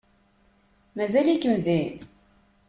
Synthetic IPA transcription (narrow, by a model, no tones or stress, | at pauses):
mæzælikːəmðin